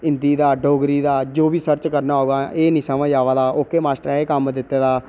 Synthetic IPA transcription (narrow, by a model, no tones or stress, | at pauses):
ɪ̃nd̪iːd̪aːɖoːɡɾiːd̪aːd͡ʒoːbiːsəɾt͡ʃkəɾnaːɦoːɡaːeːnĩːsəʋãːd͡ʒaːʋaːd̪aːʔoːkːeːmaːsʈəɾeːkəmd̪ɪt̪ːeːd̪aː